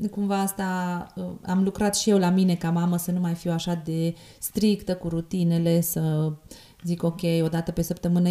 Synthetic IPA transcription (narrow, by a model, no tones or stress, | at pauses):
kumvaast̪aəa̰mlukɾat̪ʃije̞wlamine̞kamaməsənumajfiwaʃad̪e̞ | st̪ɾikt̪əkuɾut̪ine̞le̞sə | ziko̞kʲe̞jo̞d̪at̪əpe̞səpt̪əmɨnə